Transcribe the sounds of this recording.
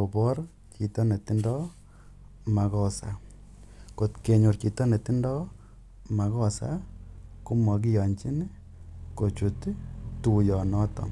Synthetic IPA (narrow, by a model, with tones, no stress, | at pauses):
o˨bɔ˦ɾ | t͡ʃi˨tɔ˦ne˨ti˦ndɔ˦ | ma˨kɔ˦sa̰˦ | ko˨tke˨ɲo˨ɾt͡ʃi˨tɔ˦ne˨ti˦ndɔ˦ | ma˨kɔ˦sa̰˦ku˦mɔ˨k̬i˦jɔ˨ɲt͡ʃi˦n˦ | ko˨t͡ʃu˨ttu˨jɔ˨nɔ˦tɔ̰˨n